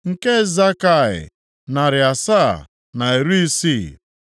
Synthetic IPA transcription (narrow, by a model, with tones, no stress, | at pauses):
ŋ̩˨ke˦za˦ka˦˨ɪ̰˨ | na˨ɾɪ˨a˨sa̰˦˨ | na˨e˨ɾu˦i˦si˦